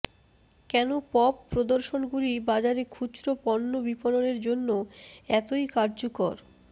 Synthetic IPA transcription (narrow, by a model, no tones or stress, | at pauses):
kɛnopɔpːɾod̪oɾʃonɡuɾibad͡ʑaɾekʰud͡ʑɾopɔnːobipononeɾd͡ʑonːoɛt̪ojkaɾd͡ʑokoɾ